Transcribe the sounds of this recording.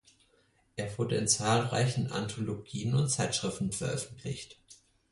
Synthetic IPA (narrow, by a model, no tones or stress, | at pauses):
ʔeːɐvʊɐdəɪnt͡saːlʁa̰ɪçn̩ʔa̰ntʰoloɡiːənʊntt͡saɪtʃʁ̥ɪftn̩fɛɐʔœfn̩tʰlɪ̰çt